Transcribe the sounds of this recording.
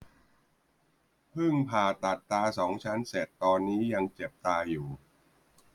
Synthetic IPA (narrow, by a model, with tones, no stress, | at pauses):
pʰɯ˥˩ŋpʰaː˨˩t̪a˨˩t̪ːaː˧sɔː˩˦ŋt͡ɕʰa˦˥nse˨˩t̪ːɔː˧nːiː˦˥ja˧ŋt͡ɕe˨˩p̚t̪aː˧juː˨˩